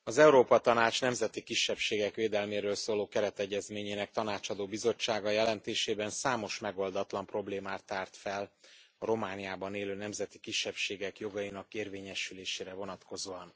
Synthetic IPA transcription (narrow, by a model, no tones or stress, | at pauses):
ɒzɛuɾoːpɒt̪ɒnaːt͡ʃnɛmzɛt̪ikiʃːɛpʃeːɡɛkʋeːd̪ɛlmeːɾøːlsoːloːkɛɾɛt̪ɛɟːɛzmeːɲeːnɛk̚t̪ɒnaːt͡ʃɒd̪oːbizo̞t͡ʃːaːɡɒjɛlɛnt̪eːʃeːbɛnsaːmo̞ʃmɛɡo̞ld̪ɒt̪lɒmpro̞bleːmaːrt̪ːaːrt̪fɛlɒɾo̞maːnijaːbɒneːløːnɛmzɛt̪i̥kiʃːɛpʃeːɡɛkjo̞ɡɒjinɒkeːrveːɲɛʃyleːʃeːɾɛvo̞nɒt̪ko̞zoːɒn